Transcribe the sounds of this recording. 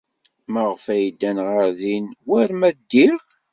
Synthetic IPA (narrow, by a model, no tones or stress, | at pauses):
məʁfæjid̪ːænʁəɾðinwæɾmæd̪ːiʁ